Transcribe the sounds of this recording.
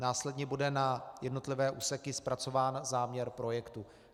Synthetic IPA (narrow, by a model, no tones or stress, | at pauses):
naːslɛdɲɛbudɛnajɛdno̞t̪lɪvɛːʔuːsɛkɪspɾat͡so̞vaːnzaːmɲɛɾpɾo̞jɛkt̪u